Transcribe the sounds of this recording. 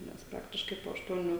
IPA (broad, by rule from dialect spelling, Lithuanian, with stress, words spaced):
nʲɛs ˈprɑːktʲɪʃkɐɪ poː ɐʃˈtuɔnʲuː